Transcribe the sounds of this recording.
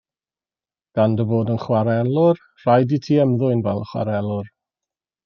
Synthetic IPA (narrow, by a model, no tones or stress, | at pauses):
ɡ̥andəboːdənχwaɾɛlˠʊr | r̥ajditʰiːɛmðʊɨnvɛlˠəχwa̰ɾɛlˠʊr